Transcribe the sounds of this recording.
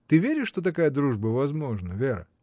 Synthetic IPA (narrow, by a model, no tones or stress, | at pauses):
t̪ɨvʲeɾʲɪʂʂt̪ot̪ɐkajəd̪ɾuʐbəvɐzmo̞ʐnəvʲeɾə̰